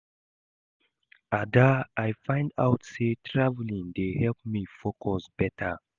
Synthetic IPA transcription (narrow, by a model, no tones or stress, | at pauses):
adaajfãɪ̃nda̰ʊtsetʰɹavlĩŋdehɛlp̚mifokʰɔsb̥ɛtʰa